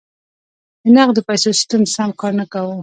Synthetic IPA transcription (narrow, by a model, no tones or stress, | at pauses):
d̪ənaqd̪əpajsosɪ̥st̪əmsamkɑɾnakawə